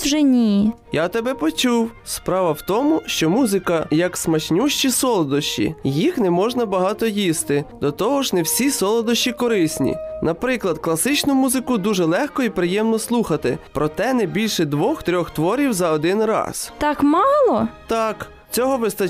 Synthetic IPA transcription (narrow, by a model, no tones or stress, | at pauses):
ʒɛnʲijjat̪ɛbɛpɔt͡ʃuwspɾɑʋɐwt̪ɔmʊʃt͡ʃɔmuzɪkɐjɐksmɐt͡ʃnʲuʃt͡ʃisɔlˠɔd̪ɔʃt͡ʃḭjixnɛmɔʒnɐbɐɦɑt̪ɔjist̪ɪd̪ɔt̪ɔɦɔʒnɛwsʲisɔlˠɔd̪ɔʃt͡ʃikɔɾɪsʲnʲḭnɐpɾɪklˠɐd̪̚klˠɐsɪt͡ʃnʊmuzɪkʊd̪uʒɛlˠɛxkɔipɾɪjɛmnɔslˠuxɐt̪ɪpɾɔt̪ɛnɛbʲilʲʃɛd̪ʋɔxt̪ɾʲɔxt̪ʋɔɾʲiwzɐɔd̪ɪnrɑ̰st̪ɑkmɑlˠɔt̪ɑk | t͡sʲɔɦɔʋɪst̪ɐ